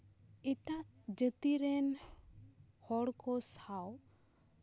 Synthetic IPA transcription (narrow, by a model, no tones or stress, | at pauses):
ɛʈaʔ | d͡ʒət̪iɾɛn | hɔɽkʰɔsaw